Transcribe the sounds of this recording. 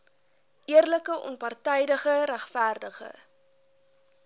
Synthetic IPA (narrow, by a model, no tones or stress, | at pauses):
ʔiərləkəʔɔ̰npɐrtɛjdəχəɾæχfærdəχə̰